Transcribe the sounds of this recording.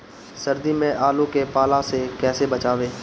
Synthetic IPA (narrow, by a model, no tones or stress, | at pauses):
səɾd̪iːmẽʔaːlõkepaːlãsekɛːsebət͡ʃaːʋeː